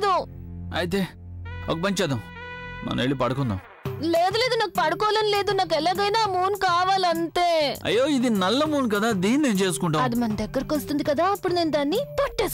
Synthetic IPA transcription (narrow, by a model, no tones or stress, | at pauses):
d̪ua̰ːjt̪̬e | o̰ːk̚bɐɲt͡ʃad̪ɐm | na̰ːneːɭipɐɽkond̪ɐ̰m | leːd̪led̪unaːk̚pɐɽkoːlɐnleːd̪unaːkɛlːɐɡɐjnaːmuːnkaːʋɐlɐnt̪eːɐ̰jːoːid̪inɐlːɐmuːnk̬ɐd̪ad̪iːnːeɲd͡ʒeːskuɳʈɐɐd̪umɐnd̪ɐkːɐɾkost̪ind̪kɐd̪aɐpːuɽnind̪aːnip̪ɐʈːeːs